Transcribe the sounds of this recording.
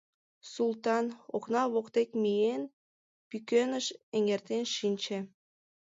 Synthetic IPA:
sulˠt̪ɑno̰knɑβokt̪ekmijen | pykønəʃeŋert̪enʃinʲt͡ɕe

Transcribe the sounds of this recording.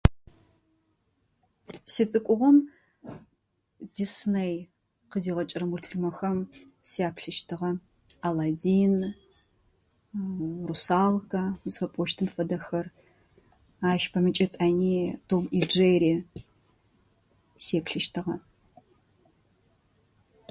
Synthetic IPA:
sɨt͡sʼɨkʷʼʊʁʷɔm | d̥isnej | qədiːʁɐt͡ʃʼɪrɐmultʰɨrmɐxɐm | seaːpʰɬɨʃtʰɨʁɐ | aladin | rusaːlkʰʼɐzfɐpʼɔʃtʰɨmfɐdɐxɐr | aːʃpʰɐmɨt͡ʃʼɐtʼaːniːtʰomild͡ʒeɾiː | seːpɬɨʃtʰɨʁɐ

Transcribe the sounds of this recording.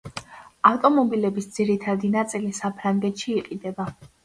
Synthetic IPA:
aft̪ʼɔmɔbilɛbisd̪z̥iɾit̪ʰad̪inat̪sʼilisapʰɾaŋɡɛt̪ʃiːqʼid̪ɛba

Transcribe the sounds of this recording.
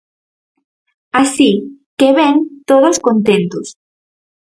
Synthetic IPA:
asikeβɛnt̪oðoskont̪ẽnt̪ʊs

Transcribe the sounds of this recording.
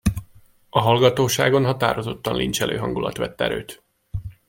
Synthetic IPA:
ɒɦɒlɡɒt̪oːʃaːɡo̞nɦɒt̪aːɾo̞zo̞t̪ːɒnlʔint͡ʃɛlʔøːɦɒŋɡulɒ̰t̪ʋɛt̪ːɛ̰ɾø̰ːt̪

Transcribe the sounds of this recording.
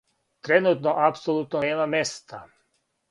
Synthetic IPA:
t̪ɾenut̪noʔapsolˠut̪noneːmamest̪a

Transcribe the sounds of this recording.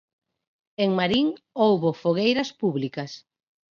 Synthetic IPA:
eŋmaɾiŋ | owβofoɣejɾɐspuβlikɐs

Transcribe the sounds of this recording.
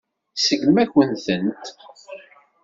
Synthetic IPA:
səʝmæçənθənt̪

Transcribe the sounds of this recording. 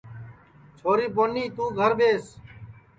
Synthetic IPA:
t͡ʃʰoːɾiːpoːniːt̪ũːɡʱəɾbeːs

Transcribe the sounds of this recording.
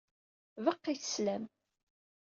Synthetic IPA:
vəqːiθə̥slæm

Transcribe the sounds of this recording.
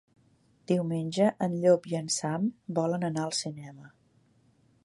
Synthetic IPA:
d̪̥iwmenʲʒəʔənʎopiənsambɔlənənaəlˠsinɛmə

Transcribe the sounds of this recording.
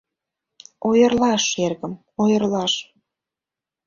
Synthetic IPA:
ojərlɑʃerɣəm | ojərlɑʃ

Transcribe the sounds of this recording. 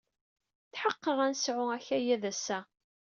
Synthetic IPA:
θħəqːəʁænsʕʊæçæjæðæsːæ

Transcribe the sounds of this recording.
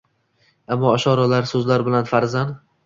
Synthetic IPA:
amːɒːʃɒɾalaɾsɵzlaɾbɪlanfaɾzand̪

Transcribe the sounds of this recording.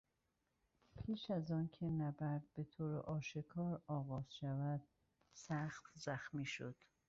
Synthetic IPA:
pʰiːʃæzɒːncʰenæbæɾd̪̚be̞t̪ʰoːɾḛʔɒːʃekʰɒːɾɒːɣɒːz̥ʃævæd̪̥ | sæxt̪zæxmiːʃod̪̥

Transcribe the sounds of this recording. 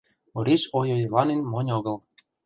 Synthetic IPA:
ɤ̆ɾʲiɕojojlˠɑnenʲmɤ̆nʲɤ̆ɣɤ̆lˠ

